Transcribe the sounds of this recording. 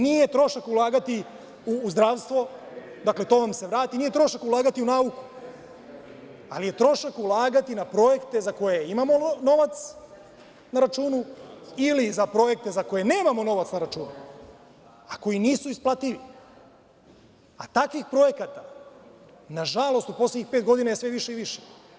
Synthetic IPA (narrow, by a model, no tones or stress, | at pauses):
nije̞t̪ɾo̞ʃakulˠaːɡat̪i | uːzd̪ɾaːʋst̪ʋo̞ | d̪akle̞t̪o̞ʋamse̞ʋɾaːt̪inije̞t̪ɾo̞ʃakulˠaːɡat̪iunauku̥ | alije̞t̪ɾo̞ʃakulˠaːɡat̪inapɾo̞je̞kt̪e̞zako̞jeimamo̞no̞ʋat̪s | naɾat͡ʃuːnuilizapɾo̞je̞k̚t̪e̞zako̞je̞neːmamo̞no̞ʋat̪snaɾat͡ʃuːnu | ako̞jiniːsuisplˠat̪iʋi | at̪akʋixpɾo̞je̞kat̪a | naʒalˠo̞st̪uposljeɲixpe̞ːt̪̚ɡo̞d̪inajesʋe̞ʋiʃe̞iʋiʃe